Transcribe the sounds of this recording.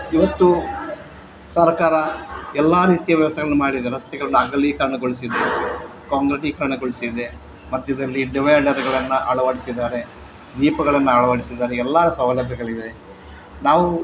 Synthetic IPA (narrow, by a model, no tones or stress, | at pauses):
iʋɐt̪ːu | sɐɾkaːɾɐɛlːaːɾiːt̪ijɐʋjɐʋɐst̪ʰɐɡɐɭɐnːumaːɽid̪eɾɐst̪ɛɡɐɭɐnːuɐŋɡɐlikɐɾɐɳɐɡoɭisid̪e̞ | kaːŋɡɾeʈiːkɐɾɐɳɐɡoɭisid̪e̞ | mɐt̪ːuid̪ɐlːiɖiʋɐjɖɐɾɡɐɭɐnːɐɐɭɐʋaːɽisid̪aːɾe̞ | d̪iːpɐɡɐɭɐnːɐɐɭɐʋaːɽisid̪aːɾeɛlːaːɾɐsɐʋɐlɐbʱjɐɡɐɭid̪e | naːʋu